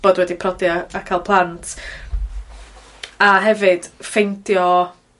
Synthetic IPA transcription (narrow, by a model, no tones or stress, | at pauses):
b̥oːdwɛdipʰrɔdiaakʰaːlˠpʰlˠantʰ | aɦɛvɨd̥fejntʰjɔ